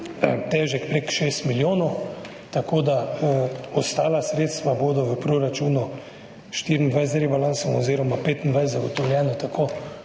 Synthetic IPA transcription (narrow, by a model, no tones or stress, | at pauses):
t̪ɛːʒɛkpɾekʃeːst̪miljoːnɔ | t̪akoːd̪a | ɔst̪aːlasɾeːt̪st̪ʋaboːd̪ɔʋəpɾoɾat͡ʃuːnu | ʃt̪iɾind̪ʋajst̪ɾibalansɔmɔziːɾɔmapeːt̪ind̪ʋajst̪zaɡɔt̪ɔwljɛːnɔt̪akʰoː